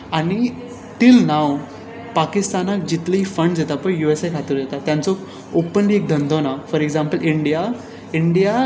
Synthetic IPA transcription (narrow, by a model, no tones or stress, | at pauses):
aɽ̃i | t̪iːlnaw | pakist̪anak̚d͡ʑit̪ləifəɳɖd͡zet̪apəɳjuesejkʰat̪əɾd͡ʑet̪at̪ːjãnt͡so | opənliek̚d̪ʱənd̪ʱonafəɾeɡd͡zãmpəliɳɖija | iɳɖija